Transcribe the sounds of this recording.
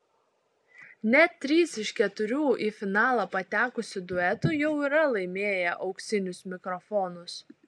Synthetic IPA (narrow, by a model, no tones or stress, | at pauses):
nʲɛt̪ʲːɾʲiːsɪʃkʲɛt̪ʊɾʲuːʔiːfʲɪnɑːlˠɐpɐt̪ʲæːkʊsʲʊd̪ʊɛt̪ʊjɛʊiːɾɐlˠɐɪmʲeːjɛʔɒʊksʲɪnʲʊsmʲɪkɾɔfɔːnʊs